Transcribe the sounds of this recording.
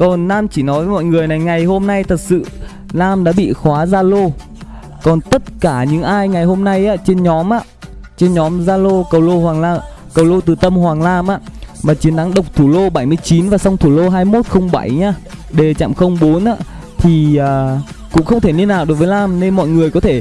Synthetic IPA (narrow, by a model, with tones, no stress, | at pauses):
kɔ˨˩nnaː˧mt͡ɕi˧˩nɔ˨˦jvəː˨˦jmɔ̰˧˨jŋɨ˨˩əjna˨˩jŋa˨˩jho˧mna˧jt̪ʰə˨˩t̚sɨ̰˧˨ | laː˧mɗa̰ː˧˥ɓḭ˧˨xwaː˨˦zaː˧lo˧ | kɔ˨˩nt̪ə˦˥t̚kaː˧˩ɲɨ̰˧˥ŋʔaː˧jŋa˨˩jɦo˧mna˧jʔaː˧˥t͡ɕe˧nɲɔ˨˦mʔaː˧˥ | t͡ɕe˧nɲɔ˨˦mzaː˧lo˧kə˨˩wlo˧hwaː˨˩ŋlaː˧m | kə˨˩wlo˧t̪ɨ˨˩t̪ə˧mhwaː˨˩ŋlaː˧mʔaː˧˥maː˨˩t͡ɕi˨˦ənt̪a˨˦ŋɗə˨˩wk͡p̚t̪ʰu˧˩lo˧ɓa˧˩jmɨ˧əjt͡ɕi˨˦nvaː˨˩sa˧wŋ͡mt̪ʰu˧˩lo˧ɦaː˧jmo˦˥t̚xə˧wŋ͡mɓa˧˩jɲaː˧ɗe˧˩t͡ɕa̰ː˧˨mxə˧wŋ͡mɓo˨˦nʔa̰ː˧˥ | t̪ʰi˨˩əː˨˩ | kʊ̰˧˥ŋ͡mxə˧wŋ͡mt̪ʰe˧˩li˧ənːaː˨˩wɗo˨˦jvəː˨˦jlaː˧mne˧nmɔ̰˧˨jŋɨ˨˩əjkɔ˨˦t̪ʰe˧˩